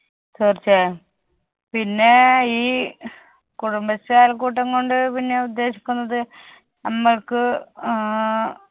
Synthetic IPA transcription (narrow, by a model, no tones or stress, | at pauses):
toːrt͡ɕːe | pinːe̞iː | kuɽumbɐsaːlkuːʈːɐŋko̞ɳɖɨpinːe̞ud̪ːe̞ːɕi̥kʲːunːɐðɨ | nɐmːɐɭkɨ